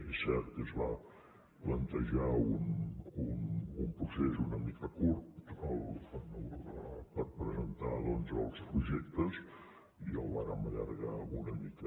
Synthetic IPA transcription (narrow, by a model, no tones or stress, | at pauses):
isɛɾt̪kəzβa | plənt̪əʒaununumpɾusezunəmikʰəkuɾt̪əlˠənuaapəɾpɾəzənt̪aðɔnzə̰lˠspɾuʒɛkt̪əz | iəlˠβaɾəməʎə̰ɾɣaunəmikə